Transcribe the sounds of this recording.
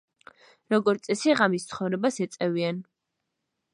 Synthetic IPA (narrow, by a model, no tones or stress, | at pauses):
ɾɔɡɔɾt̪sʼɛsiʁamist̪sʰχɔvɾɛbasɛt̪sʼɛvian